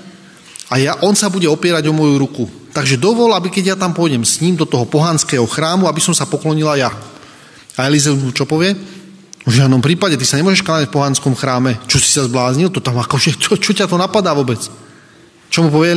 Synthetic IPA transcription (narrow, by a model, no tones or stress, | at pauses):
ajaʔɔnsabuɟɛɔpɪɛɾaɟɔmɔjuɾukut̪aɡʒɛd̪ɔʋɔlabikɛɟjat̪ampɔjɟɛmsɲiːmd̪ɔt̪ɔɦɔpɔɦanskɛːɦɔxɾaːmuabisɔmsapɔklɔɲilaja | aɛlizɛumut͡ʃɔpɔʋɪɛ | vʒɪad̪nɔmpɾiːpaɟɛt̪isaɲɛmʊɔʒɛʃkaɲacfpɔɦanskɔmxɾaːmɛt͡ʃɔsi̥sazblaːzɲilt̪ɔt̪amakɔʒɛt͡ʃɔt͡ʃɔcat̪ɔnapad̪aːʋɔbɛt͡s | t͡ʃɔmupɔʋɛɛ